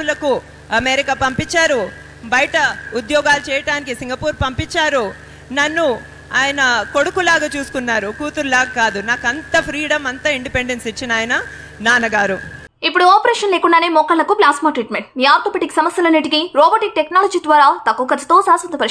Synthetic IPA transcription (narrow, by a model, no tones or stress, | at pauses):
ulɐku | ɐmeːɾikaːpɐmpit͡ʃːaːɾu | bɐjʈɐud̪jɔːɡaːlut͡ʃɛːjɐʈaːnikisiŋɡɐpuːɾpɐmpit͡ʃːaːɾu | nɐnːu | aːjɐnɐko̞ɽukulaːɡat͡ʃuːsu̥kunːaːɾukuːt̪uɾulaːɡɐkaːd̪unaːkɐnt̪ɐpʰɾiːɽɐmɐnt̪ɐiɳɖipeɳɖensit͡ʃːinaːjɐnɐ | naːnɐɡaːɾu | ipːuɽuaːpɐɾɛːʂɐnleːkuɳɖaːneːmɔkːɐɭːɐkuplaːsmaːʈɾiːʈmeɳʈmiːaːɾt̪oːpeʈiksɐmɐsjɐlɐnːiʈ̬ikiɾɔːbɐʈik̚ʈeknaːlɐːd͡ʒiːd̪ʋaːɾaːt̪ɐkːukɐd͡ʒɐt̪oːsaːsʋɐnd̪ɐpɐɾ